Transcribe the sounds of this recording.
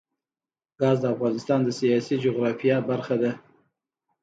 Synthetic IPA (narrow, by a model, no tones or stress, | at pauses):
ɡ̥ɑzd̪əafɣɑnɪst̪ɑnd̪əsijɑsid͡ʒoɣɾɑfijabaɾxad̪a